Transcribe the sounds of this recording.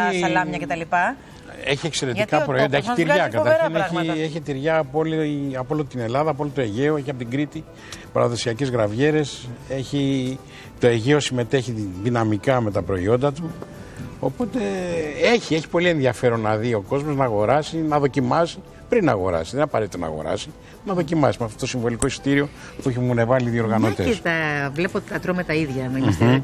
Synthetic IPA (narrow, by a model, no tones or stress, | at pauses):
iɐlɐmɐet̪ɐlipɐ | e̞çiekse̞ɾe̞ikɐpɾo̞iond̪ɐeçit̪iɾʝɐkɐt̪ɐɾçineieçit̪iɾʝɐːpolɐpolot̪et̪ine̞lɐðɐpolt̪t̪oe̞ʝeoe̞çiɐpot̪iɡɾit̪i | pɐ̰ɾɐðo̞siɐcezɣɾɐvʝe̞ɾe̞se̞çi | t̪o̞e̞ʝe̞o̞sime̞t̪e̞çiðinɐmikɐme̞t̪ɐpɾo̞ḭo̞nd̪ɐt̪u | o̞po̞t̪e̞e̞çie̞çi̥po̞lie̞nðiɐfe̞ɾo̞nːɐðio̞ko̞zmo̞znɐːɣo̞ɾɐsinɐðo̞cimɐsi | pɾinɐɣo̞ɾɐ̰siðenɐpɐɾet̪it̪onɐ̰ɣo̞̰ɾɐ̰si | nɐðo̞cimɐsimɐft̪o̞t̪osiɱvo̞liko̞ist̪iɾio̞ | pueçimune̞vɐliðio̞ɾɣɐnot̪et̪ɐvle̞pot̪ɐt̪ɾomet̪ɐiðʝɐmɐs